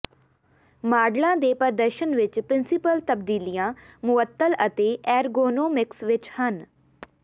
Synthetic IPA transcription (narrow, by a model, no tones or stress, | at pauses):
maːɖlãːd̪eːpəɾd̪əɾʃənʋɪt͡ʃpɾɪnsɪpəlt̪əbd̪iːlijãːmʊʋət̪ːələt̪eːʔɛːɾɡoːnoːmɪksʋɪt͡ʃhən